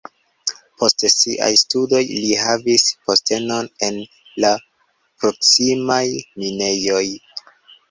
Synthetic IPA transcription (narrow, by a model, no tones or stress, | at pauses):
pʰo̞stsiʔa̰jstudo̞jliɦavispo̞ste̞no̞ne̞n | la | pɾo̞ksimajmine̞jo̞j